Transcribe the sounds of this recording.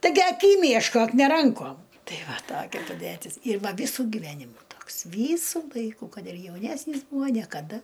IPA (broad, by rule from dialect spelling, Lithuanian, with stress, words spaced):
tɐɪˈɡʲɪ ɐˈkʲiːm jɛʃˈkoːk nʲɛ ˈrɐŋkoːm ˈtɐɪ ˈʋɐ ˈtoːkʲɛ pɐˈdʲætʲɪs ɪr ˈʋɐ ˈʋʲiːsʊ ɡʲɪˈʋʲæːnʲɪmʊ ˈtoːks ˈʋʲiːsʊ ˈlˠɐɪkʊ ˈkɐt ɪr jɛʊˈnʲæːsʲnʲiːs ˈbuːɐ nʲiɛkɐˈdɐ